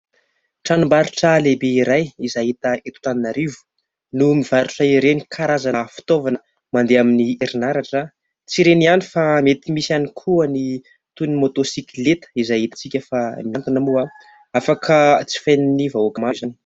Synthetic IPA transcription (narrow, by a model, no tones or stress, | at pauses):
ʈ͡ʂanumbaɾuʈ͡ʂəlebeiɾajizaɦit̪əet̪u̥t̪aninaɾivu̥ | numiv̥aɾuʈ͡ʂaiɾenikʰaɾazafi̥t̪ovanə | mand̪eaminieɾinaɾaʈ͡ʂə | t͡siɾenianifamet̪imisianikʰuəni | t̪unimot̪osiklet̪ə̥izajɦit̪ḁt͡sikʲəfamjant̪inamua | afakʰət͡si̥fajninivaokamazani̥